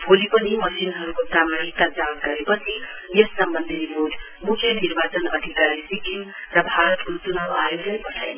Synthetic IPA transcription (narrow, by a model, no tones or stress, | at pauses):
bʱolipʌnimʌsinɦʌɾukot̪amaɽit̪ad͡zanɡʌɾepʌt͡sʰi | jesːʌmbʌnd̪ʱiɾipoʈ | mukʰjʌniɾbat͡sʌnʌd̪ʱikaɾisikin | rʌbʱaɾʌt̪untunawajod͡zənipʌʈʰajn